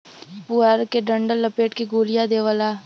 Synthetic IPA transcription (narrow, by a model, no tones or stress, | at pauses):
puaɾkeɖəɳɖəlːəpeːʈkiɡuːlijad̪eːʋəlaː